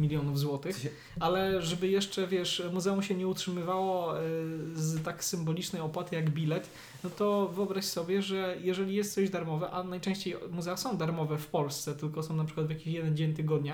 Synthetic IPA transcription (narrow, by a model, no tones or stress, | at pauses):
mʲilʲjɔnuvzwɔt̪ɘx | alɛʐɛbɘjɛʂt͡ʂɛvʲjɛʂmuzɛumɕɛɲɛutʂɘmɘvawɔ | zt̪aksɘmbɔlʲit͡ʂnɛjɔpwat̪ɘjaɡbʲilɛt̪ | nɔt̪ɔvɘɔbɾaɕsɔbʲjɛʐɛjɛʐɛlʲijɛst̪sɔʑd̪aɾmɔvɛʔanajt͡ʂɛ̃ɕt͡ɕejmuzɛasɔ̃w̃d̪aɾmɔvɛfpɔlst̪sɛt̪ɘlkɔsɔ̃w̃napʂɘkwad̪vjakʲiɕjɛd̪ɛnd͡ʑeɲt̪ɘɡɔd̪ɲa